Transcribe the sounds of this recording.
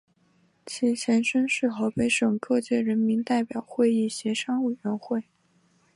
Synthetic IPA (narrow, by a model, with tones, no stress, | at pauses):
t͡ɕʰi˧˥t͡ɕʰjɛ˧˥nʂə˥nʂɻ̩˥˧xo˧˥pe˧˥ɪʂɤ˨˩ŋkɤ˥˧t͡ɕjɛ˥˩ɻə˧˥nmi˧˥nt̪a˥˩ɪpjɑ˨˩ʊxwe˥˧ɪi˥˩ɕjɛ˧˥ʂɑ˥ŋwe˨˩ɪɥɛ˧˥nxwe˥˩ɪ